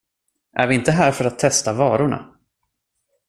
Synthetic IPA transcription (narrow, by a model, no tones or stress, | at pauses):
ʔæ̰ɾvɪɪnt̪əɦæːɾfœɾat̪ʰːɛst̪avɑːɾʊɳa̰